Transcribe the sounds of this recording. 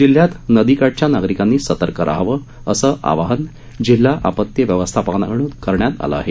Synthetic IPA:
d͡ʑil̤ːjat̪nəd̪ikaʈ̚t͡ɕjanaɡɾikanːiːsət̪əɾkəɾʔa̰ɦʋə | əsəʔa̰ʋaɦən | d͡ʑil̤ːaʔa̰pət̪jəʋjəʋəst̪ʰapaɡna̰ɡɳ̃unkəɾɳjat̪a̰lə̰a̰ɦe

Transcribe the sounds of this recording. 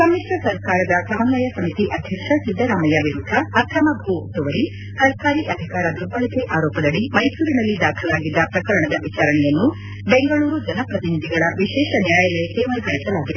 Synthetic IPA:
sɐmːiʂɾɐsɐɾkaːɾɐd̪ɐsɐɦɐnd̪ɐjɐsɐmit̪iʔɐd̪ʱjɐkʂɐsid̪ːɐɾaːmɐjaʋiɾud̪ʱːɐːt̪ʰɐmɐbʱuɐt̪uʋɐɾi | sɐɾkaːɾiʔɐd̪ʱikaːɾɐd̪ubɐɭɐkeʔaːɾoːpɐd̪ɐɭimɐjsuːɾinɐlːid̪aːkʰɐlaːɡid̪ːɐpɾɐkɐɾɐɳɐd̪ɐʋit͡ʃaːɾɐɳɛjɐnːu | beŋɡɐɭuːɾud͡ʒɐnɐpɾɐt̪inid̪ʱiɡɐɭɐʋiʃɛːʃɐnijaːjɐlɐjɐk̪eʋɐjkɐɭisɐlaːɡid̪e

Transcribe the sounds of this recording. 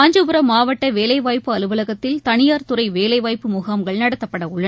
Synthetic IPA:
aːɲd͡ʒɯpɯɾɐmːaːʋɐʈːɐʋeːlɐɪʋaːjpːɯɐlɯʋɐlɐɣɐt̪ːɪlt̪ɐɳɪjaːɾt̪ʊɾɐɪʋeːlɐɪʋaːjpːɯmʊɣaːmɡɐɭnɐɽɐt̪ːɐpːɐɽɐʊɭːɐ

